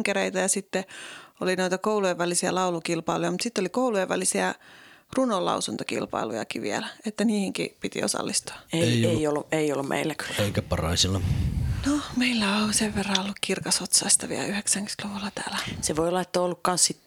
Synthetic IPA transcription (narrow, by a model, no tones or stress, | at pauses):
ŋkereit̪æjɑsit̪ːeolinoit̪ɑkoulujeʋʋælisiælɑulukilpɑilujɑmut̪sit̪ːolikoulueʋʋælisiærunolɑ̰usunt̪okḭlpɑ̰ilṵjɑ̰kiʋḭæ̰læet̪ːæniːhiŋkḭpit̪ḭo̰sɑ̰lːist̪u̥ɑeeieiolːueiolːummʔḛilːæky̥eikæpɑrɑ̰isilːɑnomeilːæoseʋːerːɑolːukkirkɑsot̪sɑist̪ɑʋḭæ̰lyheksæŋky̥t̪loʋulːɑt̪æ̰ːlæseʋoiolːɑet̪ːoːolːukkɑnssit̪